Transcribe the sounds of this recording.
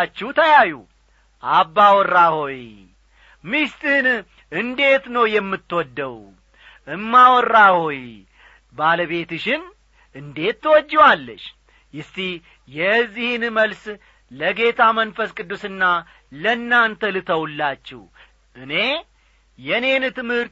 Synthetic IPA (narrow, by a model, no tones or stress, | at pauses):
t͡ʃːɛht̪ʰəjajṵ | ʔabːawɔrːaho̞j | mist̪ʼɨhn | ʔɨnd̪e̞t̪nəwjɛmːɨt̪ːwɔd̪ːəw | ʔɨmːawɔrːaho̞j | baləβe̞t̪ɨʃɪn | ʔɨnd̪e̞t̪ːɨwɔd͡ʒːɛwalːəʃ | jɪst̪i | jɛzːihnməls | ləɡe̞t̪ʰamənfəskʼɨd̪ːusɨnːa | lənːant̪ʰəlɨt̪ʰəwulːat͡ʃːɛ̰h | ʔɨne̞ | jɛne̞nt̪ɨmhɨɾt̪